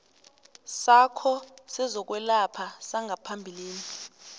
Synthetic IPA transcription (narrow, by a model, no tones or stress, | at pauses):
sakʰɔsɛzɔk̬wɛlapʰasaŋʱapʰambʱiliːni